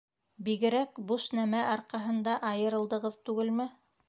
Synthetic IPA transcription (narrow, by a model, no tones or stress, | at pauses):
biɡɘ̆ɾækbuʃnæmæʔɑɾqɑɦɤ̆nd̪ɑʔɑjɤ̆ɾɤ̆lˠd̪ɤ̆ʁɤðt̪ʉɡɘlmɘ